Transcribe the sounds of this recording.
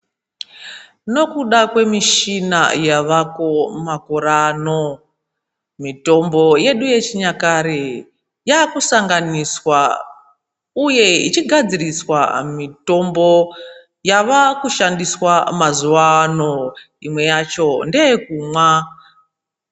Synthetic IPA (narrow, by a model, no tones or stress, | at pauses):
no̞kuɗakwe̞miʃina̰jaʋakomakoɾano | mito̞mbo̞je̞ɗuje̞t͡ʃiɲakaɾe | jakusaŋɡaniswa | uje̞it͡ʃiɡʱad͡ziriswa̰mito̞mbo̞ | jaʋakuʃandiswamazuano | imwe̞jat͡ʃo̞ndekumwa